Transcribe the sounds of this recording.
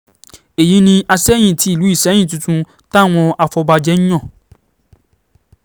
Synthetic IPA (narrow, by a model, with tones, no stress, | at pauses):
e˨ji˨˦nĩ˧ʔa˧sɛ˦j̃ĩ˦˨ti˨˦i˦˨lu˨˦i˦˨ʃɛ̃˨˦ĩ˦˨tũ˧tũ˧ | ta˦˨w̃ɔ̃˧a˧fɔ˧ba˧d͡ʒɛ˦ñ̩˦j̃ɔ̃˦˨